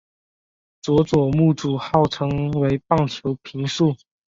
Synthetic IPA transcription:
t͡swɔ˧˥t͡swɔ˨˩mu˥˨˩ʈ͡ʂu˨˩xɑ˥˩ʊʈ͡ʂʰɤ˧˥ŋwe˧˥ɪpɑ˥˩ŋt͡ɕʰjo˧˥ʊpʰi˧˥ŋʂu˥˨

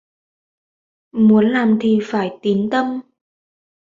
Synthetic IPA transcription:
mu˨˦ənlaː˨˩mt̪ʰi˨˩faː˧˩jt̪i˨˦nt̪ə˧m

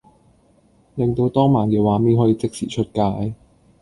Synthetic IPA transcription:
lɪ˨ŋt̪o˧wt̪ɔː˥ŋmaː˨˩nkɛː˨˧waː˨˥miː˥nɦɔː˨˥jiː˧t͡sɪ˥k̚sḭː˨˩t͡ʃʰɵ˥t̚kaː˧j

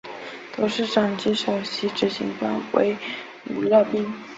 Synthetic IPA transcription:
t̪o˧˥ʊʂɻ̩˥˩ʈ͡ʂɑ˨˩ŋt͡ɕi˧˥ʂɑ˨˩ʊɕi˧˥ʈ͡ʂɻ̩˧˥˩ɕḭ˧˥ŋt̪wa̰˥˩nwḛ˧˥ɪ | u˨˩lɤ˥˧pi˥˩ŋ

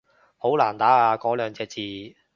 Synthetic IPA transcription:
ho˨˥wlaː˨˩nt̪aː˨˥aː˧kɔː˨˥lœː˨˧ŋt͡sɛː˧t͡siː˨˧

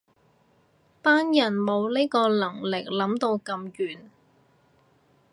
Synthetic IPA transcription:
paː˥njɐ˨˩nmo˨˧wliː˥kɔː˧lɐ˨˩ŋlɪ˨k̚lɐ˨˥mt̪o˧wkɐ˧mkyː˨˩n

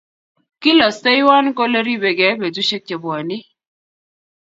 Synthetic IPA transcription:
ki˦lɔ˨ste˦jwa˦nko˦le˦ɾi˦be˨ɡɛ˨˦be˨du˦ʃe˦k̚t͡ʃe˨bɔ˨a˨ni˦

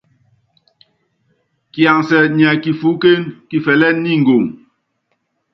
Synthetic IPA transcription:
kja˨ŋsɛ˨ɲɛ˨ki˨fu˨˦ke˦nki˨fɛ˨lɛ˦nːi˦˨ŋ̩˨ɡo˨ŋ

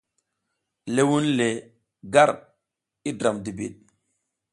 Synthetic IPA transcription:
le˦wu˦nle˨ | ɡa˦˨ɾ | i˦dɾa˨mdi˨bḭ˨ɗ̚

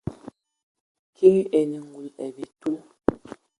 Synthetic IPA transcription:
kʰi˦ŋ˦e˨ɲi˨ŋ̩˨ɡu˨lɛ˨bi˨tu˦

